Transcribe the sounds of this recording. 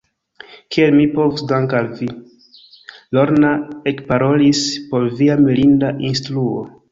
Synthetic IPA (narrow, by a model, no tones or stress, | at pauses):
kʰielmipo̞vusdaŋkalvi | lo̞ɾnaekpaɾo̞lispo̞ɾviamilindaʔinstɾuo̰